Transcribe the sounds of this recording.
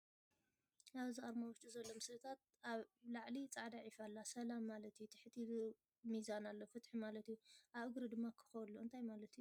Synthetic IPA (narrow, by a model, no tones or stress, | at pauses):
ʔaβziʔʼaɾmawɔʃt͡ʃʼuzɐlːomɨsɨɨt̪ʰat̪̚aβlaʕlit͡sʼaʕd̪aʕifalːasɐlamːalɐt̪jut̪ʰɨ̥ħt̪ʰi | mizanalːofɨt̪ħimalɐt̪juʔaβɨɡɾɨd̪ɨmːakʰɨ̥xɐwlːuɨnt̪ʰajmalɐt̪ju